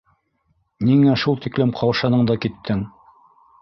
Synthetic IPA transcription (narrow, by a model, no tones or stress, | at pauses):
niŋæʃulˠt̪iklɘmqʰɑwʃɑnɤɴd̪ɑkit̪ʰːɘŋ